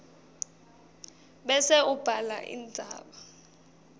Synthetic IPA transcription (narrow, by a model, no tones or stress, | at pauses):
ɓɛsɛub̥ʱala̰ʔḭnd͡zʱa̰ːɓa